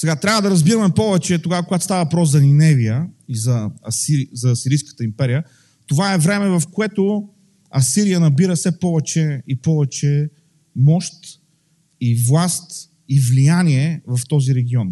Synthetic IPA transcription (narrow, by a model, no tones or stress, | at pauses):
sɛɡat̪ɾʲavəd̪ɐɾɐzbiɾəmɛpɔvɛt͡ʃɛt̪oɡavəkoɡat̪o̥st̪avɐvɐpɾɔszɐninɛvijəizɐɐsizɐːsiɾijskə̥t̪əimpɛɾijə | t̪ovaɛvɾɛmɛvɐfkoɛt̪o | ɐsiɾijənɐbiɾəfsɛpɔvɛt͡ʃɛipɔvɛt͡ʃɛ | mɔʃt̪ | ivlˠast̪ | ivlijaniɛvɐft̪ɔziɾɛɡʲiɔn